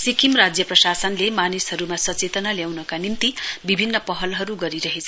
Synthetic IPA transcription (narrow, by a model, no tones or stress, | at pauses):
sikimrad͡zjʌprʌsasʌnlemanisɦʌɾumasʌt͡set̪ʌnaljawnʌkanint̪ibibʱinːʌpʌɦʌlɦʌɾuɡʌɾiɾʌɦet͡sʰʌ